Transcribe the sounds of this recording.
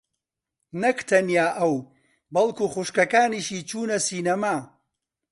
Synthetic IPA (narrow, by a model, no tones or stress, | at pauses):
nɐkt̪ʰɐnjaːʔɐw | bɐlˠkuːχuʃkɐkaːniʃiːt͡ʃʰuːnɐsiːnɐmaː